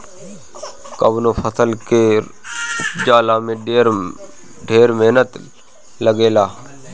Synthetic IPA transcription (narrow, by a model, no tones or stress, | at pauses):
kɐbnofʰəsəlke | ʊpd͡ʒaːlamẽ | ɖʱeːɾmɛɦnət̪ | ləɡeːlaː